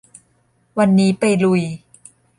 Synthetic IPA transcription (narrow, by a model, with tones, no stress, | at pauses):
wa˧nːiː˦˥pa˧jlu˧j